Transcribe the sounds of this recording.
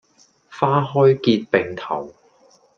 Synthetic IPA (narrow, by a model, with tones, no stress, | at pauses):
faː˥ɦɔː˥jkiː˧t̚pe˨ŋt̪ʰɐ˨˩w